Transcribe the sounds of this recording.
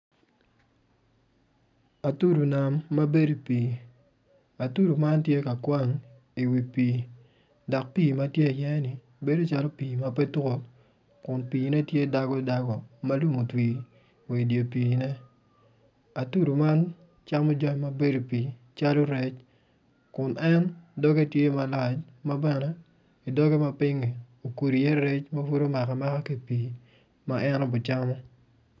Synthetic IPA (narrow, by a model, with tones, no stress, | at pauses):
a˨tu˦ɾu˨na˨mːa˦be˦do˨piː˨ | a˨tu˦ɾu˨ma˦ntje˦ka˨kwa˦ŋ | i˨wi˨piː˨ | dɔ˨k̚piː˦˨ma˦tje˦˨jɛ˦nɪ˨ | be˦do˦t͡ʃa˦lɔ˦piː˨ma˦pɛ˦tu˦ko˦ | kʊ˨npiː˨nɛ˦tje˦˨da˨ɡɔ˦i˨da˦ɡɔ˨ma˦lu˦mo˨twi˨ | we˨dje˨pi˨nɛ˦ | a˨tu˦ɾu˨ma˦n | t͡ʃa˦mɔ˦d͡ʒɔ˦˨ma˨be˦do˨pi˨ | t͡ʃa˦lo˦ɾɛ˦t͡ʃ | kʊ˨nɛ˦ndɔ˦ɡe˦˨tje˦ma˨la˨t͡ʃ | ma˦bɛ˨nɛ˨˦ | i˨dɔ˦ɡɛ˦ma˦pɪ˦ŋi˨ | o˨ku˨ɾi˨jɛ˦ɾɛ˦t͡ʃma˦fu˦ɾo˦ma˨ka˨ma˦ka˦ke˨pi˨ | ma˦ʔɛ˦nɔ˦bʊ˨t͡ʃa˦mɔ˦